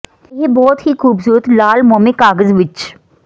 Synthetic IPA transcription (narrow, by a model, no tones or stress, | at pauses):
ebɔːt̪hixuːbsuːɾət̪laːlmɔːmẽkaːɡəzʋɪt͡ʃ